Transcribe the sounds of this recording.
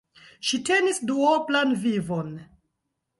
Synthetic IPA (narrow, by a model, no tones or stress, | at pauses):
ʃite̞nisduoplanvivon